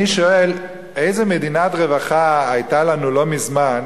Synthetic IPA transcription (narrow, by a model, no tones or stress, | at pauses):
iʃoel | e̞jzemed̪inatʁevaχaːjtalanulo̞mizman